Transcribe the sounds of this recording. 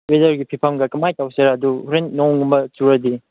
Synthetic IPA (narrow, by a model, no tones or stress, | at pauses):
wedɐɾɡipʰipʰɐmɡɐkɐmajtawseɾaɐdupʰɾennoŋŋɡumbɐt͡ʃuɾɐdi